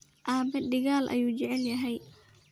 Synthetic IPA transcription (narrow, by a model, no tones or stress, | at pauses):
ʔaːbɛɖɪɣaːlʔɐ̰juːt͡ʃɛʕɛljɐɦɛj